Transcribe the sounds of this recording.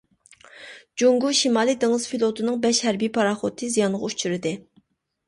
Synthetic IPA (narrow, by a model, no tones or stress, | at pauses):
d͡ʒuŋɡuʃimɑːlˠid̪eŋɨz̥filˠot̪ʰɨnɨŋbɛʃhæɾbipʰɑɾɑχot̪ʰːɨzijɑnʁɑut͡ʃʰyɾɪd̪ɪ